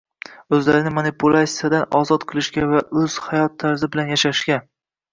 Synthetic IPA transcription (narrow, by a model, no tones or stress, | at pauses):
ɵzlaɾɪnɪmanɪpʰulˠasijad̪anɒ̰zɒt̪qʰɨlˠɪʃɡʲavaʔɵz̥hajɒt̪ʰːaɾzɪbɪlanjaʃaʃɡʲa